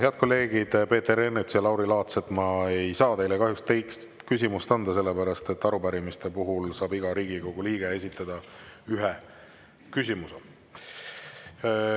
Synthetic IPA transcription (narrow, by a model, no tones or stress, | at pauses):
eɑd̪̚ko̞lːe̞ːɡ̥id̪̥pe̞ːt̪e̞ɾenːet̪sjɑlɑwɾilɑːt̪set̪mɑe̞jsɑːt̪e̞jlekɑɦjust̪ejkst̪kys̬ʲimust̪ɑnd̪ɑse̞lːepæɾɑst̪e̞t̪ːɑɾupæɾimist̪e̞puɦulsɑːbiɡ̥ɑɾiːɡ̥iko̞ɡ̥uliːɡ̥ee̞sʲit̪ˑːɑd̪̥ɑyɦe | kysʲimuse